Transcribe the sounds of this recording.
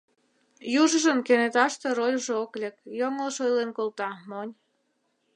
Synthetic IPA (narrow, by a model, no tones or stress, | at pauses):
juʒə̆ʒənkenet̪ɑʃt̪erojuʒeoklʲekjoŋəlʃojlenkolˠt̪ɑmonʲ